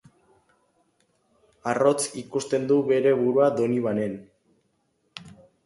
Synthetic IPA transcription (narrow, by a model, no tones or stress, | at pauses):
aro̞t͡sikust̪e̞nd̪uβe̞ɾe̞βuɾuad̪o̞niβane̞n